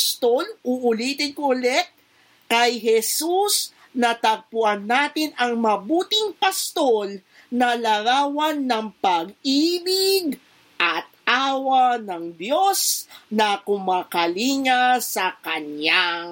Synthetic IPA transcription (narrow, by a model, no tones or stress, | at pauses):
st̪o̞lʊʔʊliːt̪ɪnkʊlɛt̪̚ | kɐjɦɛsus | nɐt̪ɐɡ̚pʊʔanːaːt̪ɪnɐŋmɐbuːt̪ɪŋpɐst̪o̞l | nɐlɐɾaːwɐnːɐŋpɐɡ̚ʔiːbɪɡ | ʔɐt̪̚ʔaːwɐnɐŋd̪jo̞snɐkʊmaːkɐliːŋasɐkɐɲa